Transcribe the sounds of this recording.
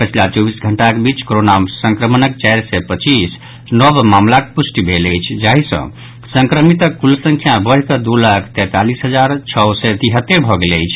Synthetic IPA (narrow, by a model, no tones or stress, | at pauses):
pət͡ʃʰilat͡ʃɔbisɡʱəɳʈakebit͡ʃkoɾonamsə̃ŋkɾəmənəkt͡ʃajɾsɛpət͡ʃis | nəbmamlakepusʈibʱeləjt͡ʃʰd͡ʒaɦisə̰̃ | səŋkɾəmit̪əkːulsə̃ŋkʰjabəɽ̤ikəd̪ulakʰt̪ɛt̪alisɦəd͡ʒaɾt͡ʃʰɔwsɛt̪iɦət̪ːeɾbʱɔɡeləjt͡ʃʰ